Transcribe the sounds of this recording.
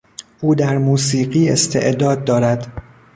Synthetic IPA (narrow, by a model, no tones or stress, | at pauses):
ʔuːd̪æɾmuːsiːɢiːest̪ʰe̞̰ʔd̪ɒːd̪̚ːɒːɾæd̪